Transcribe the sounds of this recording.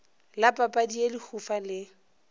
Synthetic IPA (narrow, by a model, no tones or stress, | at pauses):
lapʼapʼadielihʰufalɪ